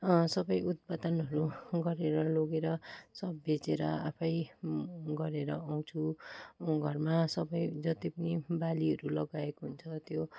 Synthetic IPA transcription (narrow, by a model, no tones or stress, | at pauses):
sʌbʌjut̪̚pad̪ʌnɦʌɾuɡʌɾeɾʌloɡeɾʌsʌbːet͡seɾʌapʰʌj | ɡʌɾeɾʌaw̃t͡sʰu | ɡʱʌrmasʌbʌjd͡zʌt̪ipʌnibaliɦʌɾulʌɡaekoɦunt͡sʰʌt̪jo